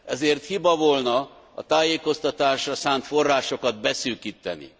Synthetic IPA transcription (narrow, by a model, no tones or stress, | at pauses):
ɛzeːrt̪hibɒvolnɒ | ɒ̰t̪aːjeːko̞st̪ɒt̪aːʃrɒsaːnt̪fo̞rːaːʃo̞kɒd̪̚bɛsyːkiːt̪ːɛ̰nḭ